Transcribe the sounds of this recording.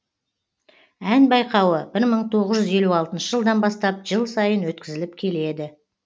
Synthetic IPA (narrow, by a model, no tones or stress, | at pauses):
ænbɑjqɑwəbɪɾməɴt̪ʰo̞ʁəzʒʏze̞luɑlˠt̪ənʃəʒəlˠd̪ɑnbɑst̪ɑp̚ʒəlˠsɑjənwɵt̪kʲɪzɪlɪp̚kʲʰe̞le̞d̪ɪ